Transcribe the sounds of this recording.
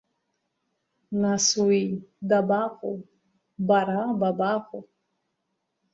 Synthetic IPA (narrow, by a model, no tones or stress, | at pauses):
nasuid̪abaqu | baɾababaɣu